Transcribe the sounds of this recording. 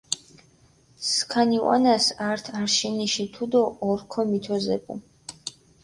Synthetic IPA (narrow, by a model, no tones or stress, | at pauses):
skʰaniwa̰nasaɾt̪ʰaɾʃiniʃit̪ʰud̪ɔʔːɾkʰɔmit̪ʰɔzɛ̰pʼṵ